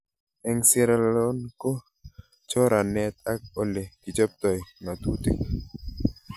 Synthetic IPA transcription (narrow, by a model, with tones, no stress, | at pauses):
ɛ˨ŋsɛ˦ɾa˨llɔ˦nko˦ | t͡ʃɔ˦ɾa˨nɛ˨t̪̚a˦k̚o˦le˨ki˨t͡ʃɔ˦p̚t̪ɔ˨jma˨t̪u˦t̪ḭ˦˨